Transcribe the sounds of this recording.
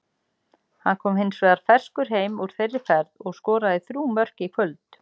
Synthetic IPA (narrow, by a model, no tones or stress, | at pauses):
hanːkʰɔːmhɪnsveːðaɾ̥fɛr̥skʏɾ̥ɦeːjmuɾ̥θejrːɪfɛɾðɔɣskɔːɾaðɪθɾuːmœr̥cɪikʰvœlt̪